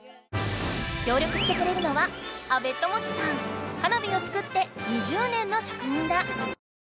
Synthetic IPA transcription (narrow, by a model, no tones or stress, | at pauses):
kʲo̞ːɾʲjo̞kɯ̟ɕi̥t̪e̞kɯ̟ɾe̞ɾɯ̟no̞βaabe̞t̪ːo̞mo̞t͡ɕi̥sãŋkanabʲio̞t͡sɨ̥kɯ̟t̪ːe̞ɲ̟iʑɨːnẽ̞nːo̞ɕḁkɯ̟ɲ̟ĩnd̪a